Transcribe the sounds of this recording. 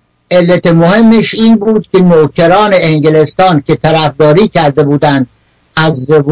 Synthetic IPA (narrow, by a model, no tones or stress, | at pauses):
ʔelːæt̪emohe̞mːeʃiːnbuːd̪̥̚kʰʲenoːkʰeɾɒːneeŋɟelest̪ɒːncʲʰe̞t̪ʰæɾæfd̪ɒːɾiːcʰæɾd̪e̞buːd̪ænd̪̚ | æzv